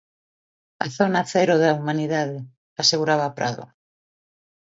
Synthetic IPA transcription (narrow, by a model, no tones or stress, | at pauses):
a̰θonaθɛɾoðaumaniðaðɪ | aseɣuɾaβ̞apɾʔa̰ðo̰